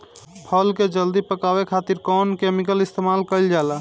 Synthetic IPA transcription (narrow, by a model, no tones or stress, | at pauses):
pʰəlked͡ʒəld̪ipəkabekʰat̪iɾkɔnkemikəlist̪emalkəɪld͡ʒala